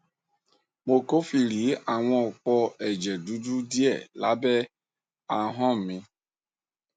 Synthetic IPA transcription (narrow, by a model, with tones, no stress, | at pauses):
mo˨ko˦fi˨ɾi˨˦a˨wʷɔ̃˦˨k͡pɔ˦ɛ˨d͡ʒɛ˨du˦du˦di˦ɛ˦˨la˦bɛ˦ | a˨˦ɦɔ̃˦m̩˨mĩ˦